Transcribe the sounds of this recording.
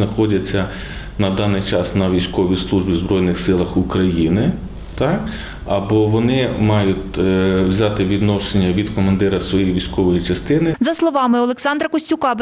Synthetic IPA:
nɐxɔdʲɐt͡sʲːɐ | nɐd̪ɑnɪjt͡ʃɑsnɐʋʲijsʲkɔʋʲislˠuʒbʲizbɾɔjnɪxsɪlˠɐxukɾɐjinɪ | t̪ɑk | ɐbɔʋɔnɪmɑjʊtʲwzʲɑt̪ɪʋʲid̪nɔʃenʲːɐʋʲid̪kɔmɐnd̪ɪɾɐsʋɔjejʋʲisʲkɔʋɔjit͡ʃɐst̪ɪnɪzɐslˠɔʋɑmɪɔlˠeksɑnd̪ɾɐkɔsʲtʲʊkɑb

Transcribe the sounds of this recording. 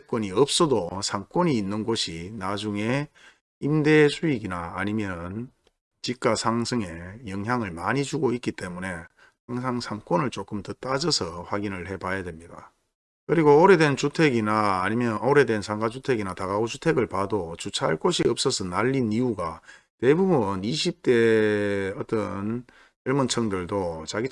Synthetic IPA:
ek͈wʌniʌp̚s͈ʌdosʰaŋk͈woʌɲiːnːɯnɡoɕʰinad͡ʑuŋe̞ | imde̞sʰuiɡinaːɲimjʌnɯn | t͡ɕik̚k͈asʰaŋsʰɯŋe̞jʌŋjaŋɯɭmaɲid͡ʑuɡoik͈it͈e̞mune̞ | haŋsʰaŋsʰaŋk͈ʌnɯɭt͡ɕ͈ok͈ɯmtɯt͈ad͡ʑʌsʰʌɸwaɡinɯɭɦe̞bajadwemɲida̰ | kɯɾiɡooɾe̞dwe̞nt͡ɕutʰe̞ɡinaimjʌoɾe̞dwensʰaŋɡad͡ʑutʰe̞ɡinataɡaot͡ɕutʰeɡɯɭpadot͡ɕut͡ɕʰaaɭk͈oɕʰiʌp̚s͈ʌsʰʌnaʎːinijuɡa | te̞bubuniɕʰip̚t͈e̞ | ʌt͈ʌn | ʌɭmont͡ɕʰʌŋdɯɭdot͡ɕaɡi

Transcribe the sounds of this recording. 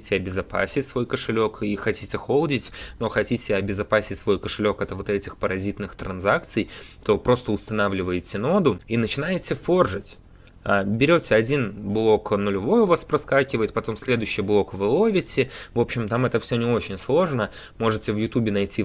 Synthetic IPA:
itʲɪɐbʲɪzɐpa̰sʲɪtʲsvo̞jkəʂɨlʲo̞kixɐtʲitʲɪxo̞lˠdʲɪtʲno̞xɐtʲitʲɪɐbʲɪzɐpasʲɪtʲsvo̞jkəʂɨlʲo̞kɛt̪əvo̞t̪ɛtʲɪxpəɾɐzʲit̪nɨxt̪ɾɐnzak̚t̪sɨjt̪o̞pɾo̞st̪əʊst̪ɐnavlʲɪvəjɪtʲɪno̞d̪ʊinət͡ɕɪnajɪtʲɪfo̞rʐɨtʲ | abʲɪɾʲo̞tʲɪɐdʲinblˠo̞knʊlʲɪvo̞jʊvaspɾɐskakʲɪvəjɪt̪̚pɐt̪o̞msʲlʲe̞d̪ʊɕːɪjblˠo̞kvɨlˠo̞vʲɪtʲɪvo̞pɕːɪmt̪amɛt̪əfsʲɵnʲɪo̞t͡ɕɪnʲslˠo̞ʐnə | mo̞ʐɨtʲɪvjʊt̪ubʲɪnɐjtʲi

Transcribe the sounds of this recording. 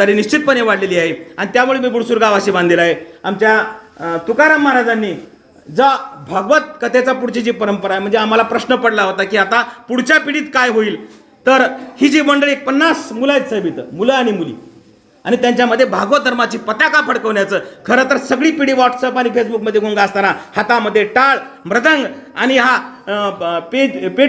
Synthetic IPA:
t̪aɾiːniɕt͡ɕit̪̚pəneʋaɽleliːaɦeaɽit̪jamuɭemiːɡuɽsuːɾɡaʋaɕiːbãnd̪ʱilaɦeamt͡ɕjat̪ukaɾamːaɦaɾad͡zanːiː | d͡zəbʱaɡʋət̪̚kət̪et͡sapuɽt͡ɕit͡ɕiːpəɾəmpəɾaɦem̤əɳd͡zeam̤alapɾəɕnəpəɽlaɦot̪akiːat̪apuɽt͡ɕapiɽiːt̪kajɦoiːl | t̪əɾhiːd͡ʑiːməɳɖəɭek̚pənːasmulajt͡ssəbʱit̪ə̰muləaɽ̃imulḭː | anit̪jaɲt͡ɕjaməd̪ʱːjebʱaɡʋəd̪ʱəɾmat͡ɕiːpət̪akafəɽkəʋɳjat͡səːkʰəɾəːt̪əɾsəɡɭiːpiɽiːʋɔʈsəpaɽ̃ifesbuk̚məd̪ʱːeɡʱoŋɡaəst̪anahat̪aməd̪ʱːjeʈaɭmɾəd̪ʱə̃ŋɡaɽ̃iɦa | ped͡ʑpe

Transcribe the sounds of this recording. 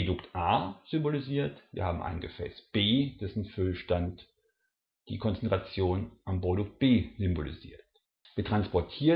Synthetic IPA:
dʊktʔaːz̥ʏmboliziːɐtviːɐhaːbm̩ʔa̰ɪnɡəfɛ̰ːsb̥eːd̥ɛsn̩fʏlʃtant | d̥ḭːkʰɔnt͡sɛntʁ̥at͡sjoːnʔambʁodʊk̚t̚b̥eːzʏmbolḭzḭːɐt | viːɐtʁ̥anspɔɐtʰiː

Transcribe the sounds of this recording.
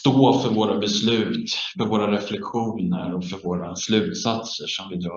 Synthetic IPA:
st̪oːfœɾvoːɾabɛslʉ̟ːt̪fœɾvoːɾaɾɛflɛkɧuːnə̰ɾɔfœɾvoːɾaslʉ̟ːt̪sat̪səʂɔmvɪd̪ɾɑː

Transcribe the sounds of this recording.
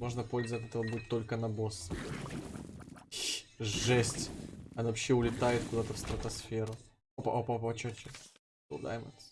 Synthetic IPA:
mo̞ʐnəpo̞lʲzəvʋətʲɛt̪əvəbuɪt̪ːo̞lʲkənɐbo̞s | ʐɛsʲtʲɐnavɐpɕːeʊlʲɪt̪ajɪt̪kʊd̪at̪əfst̪ɾət̪ɐsfʲeɾʊ | opʔopopɐt͡ɕot͡ɕas | ə̰lˠd̪a̰jmə̰t̪s

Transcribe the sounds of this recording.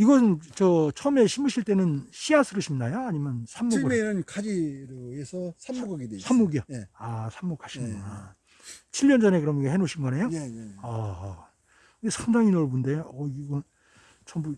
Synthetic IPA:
iɡʌsʰɯnt͡ɕʌt͡ɕʰʌme̞ɕʰimɯɕʰiɭt͈e̞nɯnɕʰiasʰɯɾɯɕʰimnajoaɲimjʌnsʰamːokenɯnkad͡ʑiɾoesʰʌsʰaokaɡidesʰamːoɡiaeasʰamːok͈ʰaɕʰina | t͡ɕʰiʎːʌnd͡ʑʌne̞kɯɾʌmɡehenoɕʰinɡʌnejoʌ | kɯnesʰaŋdaŋinʌɭbunde̞ʌiɡʌn | t͡ɕʰʌmbu

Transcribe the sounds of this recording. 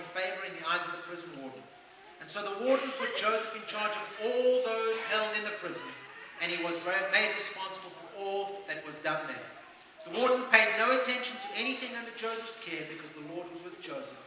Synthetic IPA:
nfeɪvə˞ɨ̃nðiaɪzʌvðəpʰɹ̥ɪzə̃n̩wɔɹdⁿn̩ | ɨ̃nsoʊðəwɔɹdⁿn̩pʰʊt̚d̥ʒ̥oʊzɨfɨ̃nt͡ʃʰɑɹd͡ʒʌvɔllˠðoʊz̥hɛlˠndɨ̃nðɨpʰɹ̥ɪzə̃nɨ̃niwʌzɹmeɪd̚ɹɨspɑ̃nsəbəl̩ˠfə˞ʔɔlˠðɨt̚wʌzdʌ̃nðə̰˞ | ðəwɔɹdⁿn̩pʰeɪdⁿnoʊɨtʰɛ̃nʃɨ̃n̩tʰɨɛñiθɪ̃ŋʌ̃ndəd͡ʒoʊzəfskʰɛɹbɨkʰʌzðəlɔɹd̚wʌzwɨðd͡ʒoʊzəf

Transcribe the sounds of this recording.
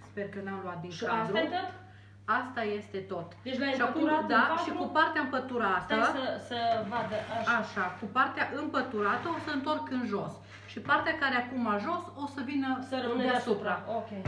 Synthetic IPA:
spe̞rkənamloat̪̚d̪inʃaed̪ɾut̪t̪ | ast̪aje̞st̪e̞t̪o̞t̪d̪et͡ʃʃiakumɾd̪aʃikupart̪eaɨmpət̪uɾat̪əsəsəvad̪əaaʃakupart̪eaʔɨmpət̪uɾat̪əo̞səɨnt̪o̞rkɨnʒo̞s | ʃipart̪eakaɾeakumaʒo̞so̞səvinəsəɾəɨnd̪eaasupɾaokʲej

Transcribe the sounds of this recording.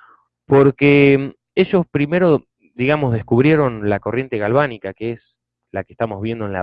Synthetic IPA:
po̞ɾke | e̞ʒo̞spɾime̞ɾo̞ | d̪iɣamo̞zðeskuβ̞ɾje̞ɾo̞nlako̞rje̞nt̪eɣalβanikakees | lake̥st̪amo̞zβje̞nd̪onla̰

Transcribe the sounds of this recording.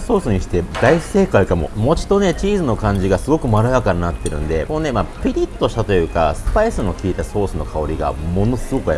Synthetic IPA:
so̞ːsɨɲ̟iɕi̥t̪e̞d̪ai̥se̞ːkaikamo̞̰mo̞t͡ɕi̥t̪ːo̞ne̞t͡ɕiːzɨno̞kãɲ̟d͡ʑiɡasɨɡo̞kɯ̟maɾɯjakaɲinat̪ːe̞ɾɯ̟̰̃nd̪e̞konne̞mapʲiɾʲit̪ːo̞ɕi̥t̪at̪o̞jɯ̟ːka̰sɨ̥paisɨno̞kʲiːt̪aso̞ːsɨno̞̰kʰao̞ɾʲiɡa̰mo̞no̞sɨɡo̞kɯ̟ai

